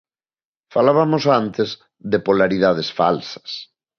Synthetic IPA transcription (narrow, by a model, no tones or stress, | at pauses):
falaβamosant̪ɪz | ðepolaɾiðað̞esfa̰lsɐ̥s